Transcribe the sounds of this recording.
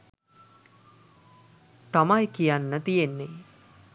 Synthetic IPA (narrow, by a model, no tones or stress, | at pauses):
t̪amajkijanːət̪ijenːe